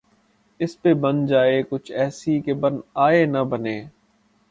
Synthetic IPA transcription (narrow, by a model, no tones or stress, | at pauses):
ɪspebɐnd͡ʒaːekʊt͡ʃʰɛːsikebənaːenɐbəneː